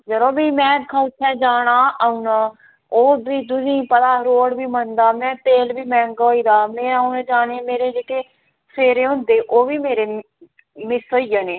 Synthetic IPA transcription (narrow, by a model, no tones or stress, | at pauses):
d͡ʒəɾõːbiːmɛ̃ːkʰət͡ʃʰɛ̃ːd͡ʒaːɽ̃aːaːunaː | oːbiːd̪ʊnĩːpəd̪aːɾoːɽbiːmənd̪aːmɛ̃ːt̪eːlbiːmɛ̃ːŋɡoːiːd̪aːmɛ̃ːaunẽːd͡ʒaːneːmeːɾeːd͡ʒeːʈeː | seːɾeːɦʊ̃nd̪eːʔoːʋiːmeːɾeː | mɪsoːijəneː